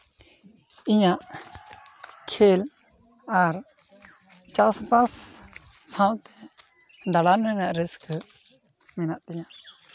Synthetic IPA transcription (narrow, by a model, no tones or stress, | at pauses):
iɲaʔ | kʰel | aɾ | t͡ʃasbasː | ãwt̪ɛ̥ | d̪aɽanhənaʔɾəskʰə | mɛnaʔt̪ɛɲaʔ